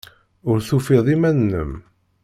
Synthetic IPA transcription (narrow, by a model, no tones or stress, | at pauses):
ʊɾθufiðˤimænnːə̰m